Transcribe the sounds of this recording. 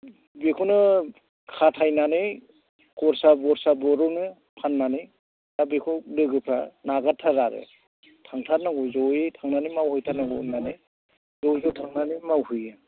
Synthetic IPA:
bekʰunɯ | kʰatʰajnanɯ | kɔɾsabɔɾsabɔɾɔnɯ | pʰanmani | abekʰulɯɡɯpʰɾanaɡatʰːaɾaɾɯ̰ | tʰaŋtʰaɾnaɡɔzɔwjitʰaŋnanimawhɯjtʰanaɡɔnani | zɔwzɔtʰaŋnanimawhɯja

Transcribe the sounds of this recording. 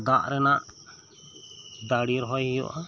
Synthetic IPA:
ɡ̪aʔɾɛnaʔ | d̪aɽiɾɦɔjɦijɔ̰ʔa

